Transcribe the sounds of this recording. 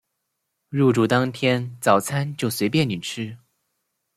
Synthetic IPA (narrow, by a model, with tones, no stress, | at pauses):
ɻu˥˩ʈ͡ʂu˨˩t̪ɑ˥ŋt̪ʰjɛ˥nt͡sɑ˨˩ʊt͡sʰa˥nt͡ɕjo˥˩ʊswe˧˥ɪpjɛ˥˩ny˨˩ʈ͡ʂʰɻ̩˥